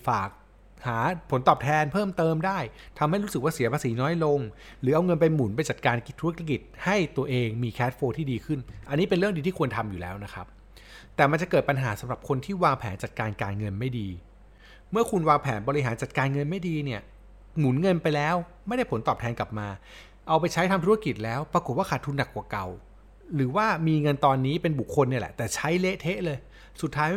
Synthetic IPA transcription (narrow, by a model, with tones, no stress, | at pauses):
faː˨˩k̚ | haː˩˦pʰo˨˦nt̪ɔː˨˩p̚t̪ʰɛː˧npʰɤː˥˩mt̪ɤː˧mdaː˥˩jt̪ʰa˧mha˥˩jɾu˦˥sɯ˨˩k̚waː˥˩si˨˩˦ɐpʰaː˧siː˩˦nɔː˦˥jlo˧ŋ | ɾɯː˩˦ʔa˧wŋɤ˧npa˧jmu˨˩˦np̬a˧jt͡ɕa˨˩t̪̚kaː˧nki˦t̪ʰːu˦˥˦a˥ki˨˩t̪̚ha˥˩jt̪u˧ɐʔeː˧ŋmiː˧kʰɛː˦˥t̪̚foː˧t̪ʰiː˥˩diː˧kʰɯ˥˩nʔa˧nːiː˦˥pe˧nɾɯ˥˩əŋdi˧t̪iː˥˩kʰu˧ənt̪ʰa˧mju˨˩lɛ̰ː˦˥wna˦˥kʰa˦˥p̚ | t̪ɛː˨˩ma˧nt͡ɕa˨˩kɤː˨˩t̪̚pa˧nɦaː˩˦sa˩˦ɾa˨˩p̚kʰo˧nt̪ʰiː˥˩waː˧ŋpʰɛː˩˦nt͡ɕa˨˩t̪̚kaː˧nkaː˧nŋɤ˧nma˥˩jdiː˧ | mɯ˥˩ɐkʰu˧nwaː˧ŋpʰɛː˩˦nbɔ˧ɾi˦ɦaː˩˦nt͡ɕa˨˩t̪̚kaː˧nŋɤ˧nma˥˩jdiː˧ni˥˩ɐ | ŋu˩˦nŋɤ˧npa˧jlɛː˦˥wma˥˩jda˥˩jpʰo˩˦nt̪ɔː˨˩p̚t̪ʰɛː˧nka˨˩p̚maː˧ | ʔa˧wpa˧jt͡ɕʰa˦˥jt̪ʰa˧mt̪ʰu˦˥˧ki˨˩t̪̚lɛː˦˥wpɾa˧ko˨˩t̪̚waː˥˩kʰaː˨˩t̪ʰːuː˧nːa˨˩kːwaː˨˩ka˨˩w | ɾɯː˩˦waː˥˩miː˧ŋɤ˧nt̪ɔː˧nːiː˦˥pe˧nbu˨˩kʰːo˧nːi˥˩ɐlɛ̰˨˩ʔt̪ɛː˨˩t͡ɕʰa˦˥jle˦˥ʔt̪ʰe˦˥ʔlɤː˧j | su˨˩t̪ʰːaː˦˥